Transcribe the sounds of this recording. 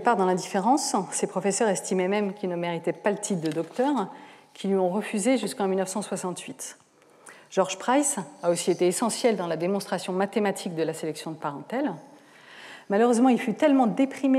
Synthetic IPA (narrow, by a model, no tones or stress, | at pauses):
paʁd̪ɑ̃lɛ̃d̪ifeʁɑ̃sːepχɔfesœʁɛst̪imɛmɛmkʲilnəmeʁit̪ɛpalət̪ʰit̚d̪əd̪ɔkt̪œʁkʰʲilɥiɔ̃ʁəfyzeʒyskɑ̃milnəfsɑ̃swasɑ̃t̪ɥit̪ | ʒ̥ɔʁʒpχajzaosiet̪eːsɑ̃sjɛld̪ɑ̃lad̪emɔ̃st̪χasjɔ̃mat̪emat̪ʰik̚d̪əlaselɛksjɔ̃d̪əpaʁɑ̃t̪ɛl | maløʁøzmɑ̃ilfyt̪ɛlmɑ̃d̪epχime